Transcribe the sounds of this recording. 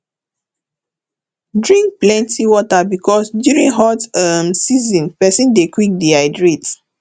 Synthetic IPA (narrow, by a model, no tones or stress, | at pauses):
dɹĩŋk̚plɛ̃ntʰiwɔtabikʰɔsdjuɹĩŋɦɔtamsizɔ̃npɛsĩndekwik̚diaɪdɹit